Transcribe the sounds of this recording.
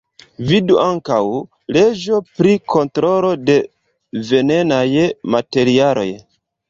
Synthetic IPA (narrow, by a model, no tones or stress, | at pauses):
viduʔaŋkaw | le̞d͡ʒo̞pɾikʰo̞ntɾo̞lo̞de̞ | ve̞ne̞najmate̞ɾialo̞̰j